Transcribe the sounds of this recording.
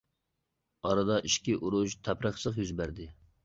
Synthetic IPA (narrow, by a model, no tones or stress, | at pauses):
ɑɾɨd̪ɑʔiʃkʲiʔuɾuʃt̪ʰæpɾəχsɨχjyzbæɾd̪ɪ